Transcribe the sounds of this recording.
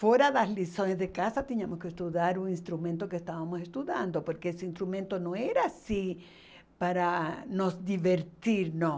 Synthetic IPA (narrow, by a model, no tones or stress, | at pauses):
fweɾaðaslisonezðekasat̪eɲamoskeːst̪uðjaɾuŋinst̪ɾumẽnt̪okest̪aβamosest̪uðjand̪opoɾkeeseinst̪ɾumẽnt̪onoeɾaːsi | paɾanosd̪iβeɾt̪iɾno